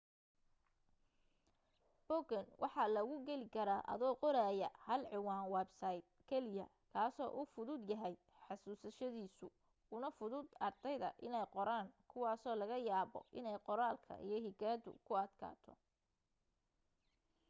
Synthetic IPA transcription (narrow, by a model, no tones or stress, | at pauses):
b̥ɔɡɐnwʔɑħɑlɐɣʊɡɛlɪkʰɐɾaːʔɐ̰ðɔːqɔɾaːjɐhɐlʕɪwɑːnwɛbsɐjd̪̚kʰɛlɪjɐ | kʰaːsɔːʔufʊðʊd̪jɐɦɛj | ħɑsuːsɐʃɐðiːsʊ | ʊnɐfʊðʊd̪ɐrd̪ɛjðɐ̰ʔɪnɛjqɔɾaːŋkʰʊwɑːsɔːlɐɣɐjaːβɔ̰ʔɪnɛjqɔɾaːlkʰɐ̰ʔḭjɞɦɪɡaːd̪ʊ̰kʰʊɐd̪kʰa̰ːt̪ʰɔ